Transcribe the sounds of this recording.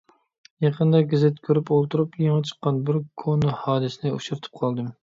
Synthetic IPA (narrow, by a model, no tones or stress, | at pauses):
jɑqʰənd̪ɑɡʲezɪt̪kʲʰøɾypolˠt̪ʰuɾupjeŋət͡ʃʰə̥qːɑnbɪɾkʰonuhɑːd̪ɨsɪnɪuʃuɾɨt̪ʰɨ̥p̚qʰɑlˠd̪ɨm